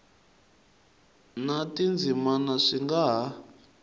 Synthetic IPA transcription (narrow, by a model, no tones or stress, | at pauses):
natind͡zʱimanaʂiŋɡaɦa